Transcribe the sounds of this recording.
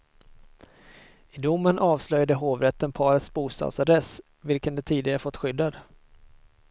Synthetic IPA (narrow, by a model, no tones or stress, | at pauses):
ɪd̪ʊmːənʔɑːvslœjad̪əɦoːvɾɛt̪ːənpʰɑːɾət̪sbuːst̪ɑ̰d̪sad̪ɾɛs | vɪlkənd̪ɛt̪ʰiːd̪ɪɡaɾəfɔt̪ːɧʏd̪ːad̪